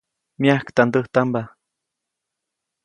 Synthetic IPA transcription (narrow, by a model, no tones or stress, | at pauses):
miahkt̪and̪əht̪amba